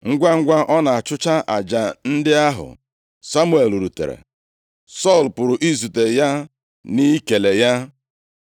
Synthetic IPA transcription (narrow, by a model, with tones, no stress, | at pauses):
ŋ̩˦ɡʷa˦ŋ̩˦ɡʷa˦ʔɔ˦na˨a˨t͡ʃʊ˦t͡ʃa˦ʔa˨d͡ʒa˨n̩˦dɪ˦a˦ɦʊ̰˨ | sa˦mu˦e˨lu˨ɾu˨tḛ˨ɾḛ˨ | sɔ˦˨lpʊ˨ɾʊ˨ʔi˦zu˨te˨ja˦ | ni˦ke˨le˨ja˦